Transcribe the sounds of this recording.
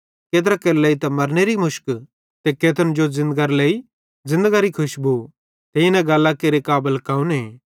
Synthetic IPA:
keːt̪ɾakeːɾleːit̪ɐmɐɾneɾimʊʃk | t̪ekeːt̪ənd͡ʒozɪ̃nd̪əɡaɾleːi | zɪ̃nd̪əɡaɾikʰʊʃbu | t̪eːinɛ̃ɡɐlːakeːɾekaːbəlkaːũneː

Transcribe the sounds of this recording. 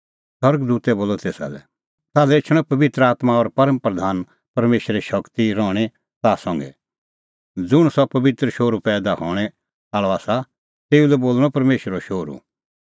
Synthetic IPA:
sɔɾɡd̪uːt̪ɛboːlɔt̪eːsa̰ːlɛ̰ | taːlɛt͡ʃʰɽ̃ɔ̃pɐbɪt̪ɾəaːt̪maɔɾpɐɾəmpɾɐd̪ʱaːn | pɐɾmeːʃɾɛʃɐkt̪iɾɔːɽ̃e | t̪aːsɔ̃ŋɡɛ̰ | d͡zʊɽ̃sɔpɐbɪt̪ɾəʃoːɾupɛːd̪ahɔːɽ̃ɛ | aːɭɔaːsa | t̪eːulɛboːlɽɔpɐɾmeːʃɾoʃoːɾṵ

